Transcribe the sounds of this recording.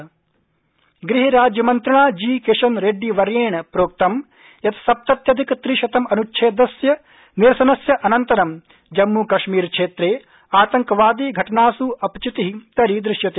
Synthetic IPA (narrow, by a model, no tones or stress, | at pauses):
ɡɾiɦiɾaːd͡ʒjɐmɐnt̪ɾɐɳaːd͡ʒiːkeʃɐnɾeɖiʋɐɾjeːɳɐpɾoːk̚t̪ɐm | jɐt̪ɐ̥sɐp̚t̪ɐt̪jɐd̪ʱikt̪ɾiʃɐt̪ɐmɐnuʃʰeːd̪ɐsjɐ | niɾɐsɐnɐsjɐʔɐnɐnt̪ɐɾɐm | d͡ʒɐmːuːkɐʃmiːɾkʂʰeːt̪ɾeː | aːt̪ɐŋkɐʋaːd̪iːɡʱɐʈɐnaːsuɐpt͡ʃit̪iɦit̪ɐɾid̪ɾɪʂjɐt̪e